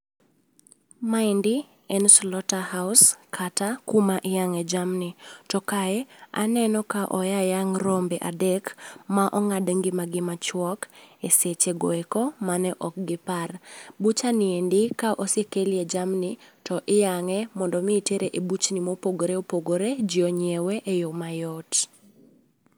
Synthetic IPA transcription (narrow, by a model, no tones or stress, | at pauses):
maɪndɪ | ɛnslɔtahaʊskʰatakumaʔɪjaŋɛd͡ʒamnɪtɔkaɛa̰nɛnɔkaʔɔjajaŋɾɔmbɛʔa̰dɛkmaʔɔŋadŋɡɪmaɡɪmat͡ʃwɔkeset͡ʃeɡɔ̰ɛkɔmanɛʔɔk̚ɡɪparbut͡ʃanɪendɪkaʔosekelɪed͡ʒamnɪtɔʔɪjaŋɛmɔndɔmɪːteɾeʔebut͡ʃnimopoɡoɾeopoɡoɾed͡ʒiɔɲewɛʔejɔmajɔt